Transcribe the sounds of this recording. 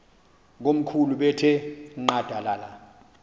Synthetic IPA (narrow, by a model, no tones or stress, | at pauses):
ŋom̩kʰuluɓɛtʰɛŋ͡ǃad̥ʱalaːla